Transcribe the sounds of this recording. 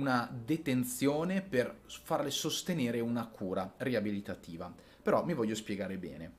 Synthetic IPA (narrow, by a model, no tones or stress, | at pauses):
unad̪et̪ent̪sjoːneperfarlesost̪eneːɾeunakʰuːɾareabilit̪at̪iːva | peɾɔmivɔʎːospjeɡaːɾebɛ̰ːne